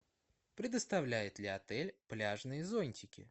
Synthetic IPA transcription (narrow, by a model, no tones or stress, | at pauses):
pɾʲɪd̪əst̪ɐvlʲæjɪt̪lʲɪɐt̪ɛlʲplʲaʐnɨjəzo̞nʲtʲɪkʲɪ̰